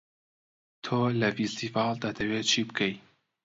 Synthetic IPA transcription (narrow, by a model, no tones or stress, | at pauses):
t̪ʰoːlɐfist̪ivɑːlˠd̪ad̪ɐwet͡ʃʰibɨkʰej